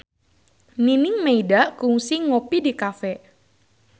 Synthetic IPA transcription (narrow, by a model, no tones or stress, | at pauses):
ninɪŋmeidaʔkuŋsiŋopidikafɛ